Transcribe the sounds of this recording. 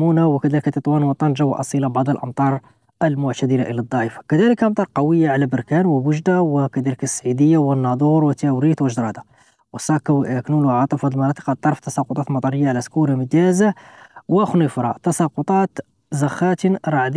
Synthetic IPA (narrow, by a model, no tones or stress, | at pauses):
munawəkæd̪æləkt̪ət̪ˤwɑnwət̪ˤːɑnʒawʔɑsˤilabɑʕd̪ˤəlʔɑmt̪ˤɑɾˤ | əlmʊʕt̪æd̪əlaʔəlæd̪ˤːɑʕəfḁkæd̪æləkʔɑmt̪ˤɑɾˤqɑwəjːaʕalæbəɾkænwəwəʒd̪awəkæd̪æləkəsːʕid̪əjːawənːɑd̪ˤuɾwət̪ːæwɾit̪wəʒd̪ɾˤɑd̪a | wəsˤɑkːwknulwʕɑt̪ˤəfɑd̪lmɑnɑt̪ˤə̥qɑt̪ˤːɑɾˤft̪ːɑsɑqʊt̪ˤɑt̪mɑt̪ˤɑɾˤəjːaʕalæskuɾaməd̪æzawəxnifɾˤɑ̰t̪ɑsɑqʊt̪ˤɑt̪ | zɑxæt̪ɾˤɑʕd̪